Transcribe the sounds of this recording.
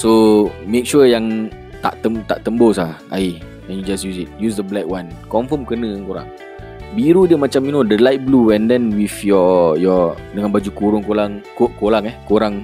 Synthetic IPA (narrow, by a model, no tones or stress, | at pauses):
somek̚ʃujaŋ | t̪a̰ʔt̪əmt̪aʔt̪əmbos̬aʔa̰i | ɛ̃njud͡ʒasjusit̚jusdəblɛk̚wankɔmfəmkənə̃ŋkoɾa̰ŋ | biɾudiəmat͡ʃaminodəlaɪt̚bluɛ̃ndɛnwifjɔjɔdəŋãnbad͡ʒukuɾʊŋkolaŋkokolaŋɛhkoɾaŋ